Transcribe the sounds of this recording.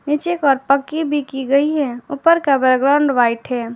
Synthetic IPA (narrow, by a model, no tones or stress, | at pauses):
nɪt͡ʃekɔːɾpəkːibʱikiɡɐiɦɛʊpəɾkabəɾɡɾaʊ̃ɳɖʋaːɪʈɦɛː